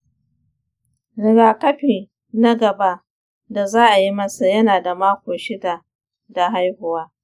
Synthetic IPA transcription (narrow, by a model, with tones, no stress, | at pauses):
nɪ˨ɽaː˨kɐ˦ɸiː˨ | nɐ˦ɡɐ˨ba˦ʔ | da˨zaː˦ʔa˨ji˦mɐ˦sa˨jɐ˦naː˨da˨maː˦kʷoː˨ʃɪ˦da˨ | da˨ɦa˦jhʊ˨waː˦